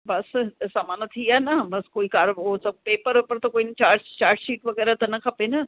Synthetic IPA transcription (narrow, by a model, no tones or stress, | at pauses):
bɐssaːmaːnɐt̪ʰiaːnɐbɐskoːikaːɾosɐb̚peːpəɾpɐɾt̪ɐkoːint͡ɕaːɾd͡ʑt͡ɕaːɾd͡ʒʃiːʈʋɐɡɛːɾat̪ɐnɐkʰɐpenɐ